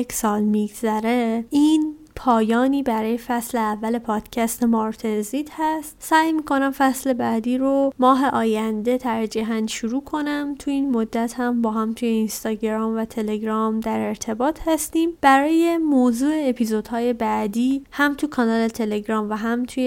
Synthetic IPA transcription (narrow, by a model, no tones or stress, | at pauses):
ksɒːlmiɡzæɾe̞iːn | pʰɒːjɒːniːbæɾɒːje̞fæsleævːæle̞pʰɒːd̪̥cʰæst̪emɒɾt̪ʰenzit̪hæst̪sæːjmiːkʰo̞næmfæsle̞bæd̪iːɾomɒːɦe̞ʔɒːjænd̪e̞t̪ʰæɾd͡ʒiɦænd̪ʃuɾuːkʰo̞næmt̪ʰuinmod̪ːæt̪hæmbɒːɦæmt̪ʰuːje̞inst̪ɒːɟeɾɒːmvæt̪ʰe̞le̞ɟɾɒmd̪æɾe̞ɾt̪ʰe̞bɒːt̪ʰhæst̪iːmb̥æɾɒːje̞moːzuːeːpʰizo̞d̪̥hɒːje̞bæd̪iːhæmt̪ʰukʰɒnɒːlet̪ʰe̞le̞ɡɾɒːmvæɦæmt̪ʰuje